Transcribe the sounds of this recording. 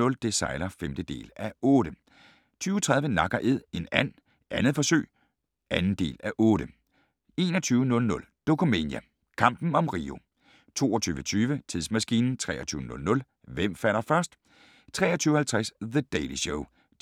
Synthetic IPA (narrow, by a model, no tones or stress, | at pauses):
ɔ̽ld̥e̝sɑ̈ɪlɐfemd̥əd̥e̝̰ːlæɔ̽ːɾ̥ə | t͡sʰyːʊt͡sʰʁɑ̈ð̞ˠʋənɑ̈ɡ̥ɐʔe̝ð̰ˠe̝næn̰ | ʔænð̞̩ˠfɒ̽sø̰ːɪ | ænn̩d̥e̝̰ːlæʔɔ̽ːɾə | e̝ːnɒ̽t͡sʰyːʊnɔ̽lnɔ̽l | d̥o̝kʰome̝̰njæ | kʰɑ̈m̰b̥n̩ɒ̽mʁḭːo̝ | t͡sʰo̝̰ːɒt͡sʰyːʋət͡sʰyːʋət͡sʰiðˠsmæsɡ̥iːnn̩t͡sʰʁɛ̰ːɐt͡sʰyːʊənɔ̽lnɔ̽l | ʋem̰fæl̰ɐfɶɐsd̥ | t͡sʰʁɛ̰ːɐt͡sʰyːʊhælt͡sʰʁasðəd̥eɪliɕoʊ